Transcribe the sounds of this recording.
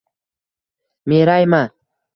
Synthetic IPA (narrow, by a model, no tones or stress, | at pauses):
meɾajma